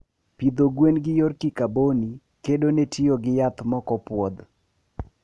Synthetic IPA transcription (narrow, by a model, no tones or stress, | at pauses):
pid̪oɡwenɡɪjorkikaboni | kedonetɪoɡɪjat̪mɔkɔpwɔd̪